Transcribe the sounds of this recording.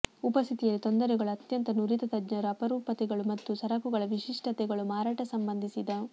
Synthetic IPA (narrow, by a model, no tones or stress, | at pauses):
upɐst̪ʰit̪ijɐlːit̪o̞nd̪ɐɾɛɡɐɭuɐt̪jɐnt̪ɐnuɾit̪ɐt̪ɐd͡ʒɲɐɾɐːpɐɾuːpɐt̪ɛɡɐɭumɐt̪ːusɐɾɐkuɡɐɭɐʋiʂiʂʈɐt̪ɛɡɐɭumaːɾaːʈɐsɐmbɐnd̪ʱisid̪ɐ